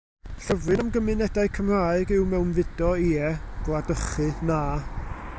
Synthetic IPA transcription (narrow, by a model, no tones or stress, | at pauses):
ɬəvrɨnamɡəmɨnɛdaɨkʰəmr̥aːɨɡɪwmɛwnvɪdɔiːɛ | ɡ̥lˠadəχɨnaː